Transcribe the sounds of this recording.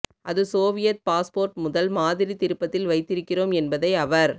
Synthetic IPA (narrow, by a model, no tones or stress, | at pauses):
ʔɐðɯsoːʋɪjɐt̪̚paːspoːɾʈmʊðɐlmaːðɪɾit̪ɪɾɯpːɐt̪ːɪlʋɐɪt̪ːɪɾɯkːɪroːmɛnbɐðɐɪɐʋɐɾ